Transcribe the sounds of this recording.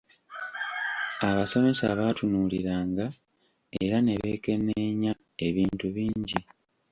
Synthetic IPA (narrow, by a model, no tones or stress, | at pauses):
aβaso̞me̞saβaːtunuːliɾaːŋɡa | e̞ɾane̞βe̞ːke̞neɲa | e̞βiːntuβiːɲɟi